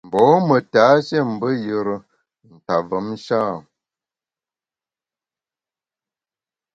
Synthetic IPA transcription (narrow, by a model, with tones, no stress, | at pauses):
m̩˨bɔː˨˦mə˨ta˨˦ʃe˦˨m̩˨bə˦jə˨ɾə˨ | n̩˨ta˨və˨˦m˦ʃaː˦˨